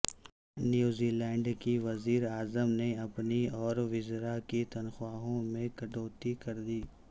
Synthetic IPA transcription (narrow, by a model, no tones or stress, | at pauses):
njuːziːlɛ̃ːɳɖkiʋɐziːɾaːzəmneɐpniɔːɾʋɪzɾakit̪ɐnxʊaːɦõmẽkɐɖoːt̪ikɐɾd̪iː